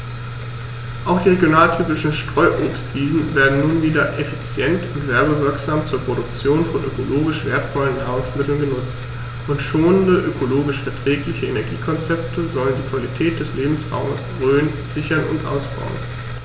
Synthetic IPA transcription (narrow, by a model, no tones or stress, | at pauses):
ʔaʊxd̥iːʁeɡjonaːltʰyːpɪʃn̩ʃtʁ̥ɔʏʔoːpstv̥iːzn̩veːɐdn̩nuːnviːdɐʔefit͡sjɛntʊntv̥ɛɐbəvɪɐkz̥aːmt͡suːɐpʁ̥oɾʊk̚t͡sjoːnfɔnʔø̰koloːɡɪʃv̥eːɐtfɔlənːaːʁ̞ʊŋsmɪtl̩nɡənʊt͡st | ʊntʃoːnəndəʔøkʰoloːɡɪʃfɛɐtʁ̥ɛːklɪçəenɛɐɡḭːkʰɔnt͡sɛp̚tʰəzɔləndiːkv̥alitʰɛːt̚d̥ɛsleːbm̩sʁa̰ʊməsɡ̥ʁøːn | z̥ɪçɐnʊ̰ntʔa̰ʊsb̥a̰ʊə̰n